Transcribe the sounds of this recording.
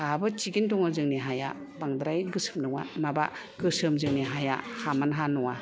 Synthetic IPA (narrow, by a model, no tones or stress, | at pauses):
habɯt͡ʃiɡintɔŋazɯŋniɦaja̰ | baŋdɾajɡɯsɯ̥mnɯwa̰maba | ɡɯsɯmzɯŋniɦaja̰hamanɦanɔwa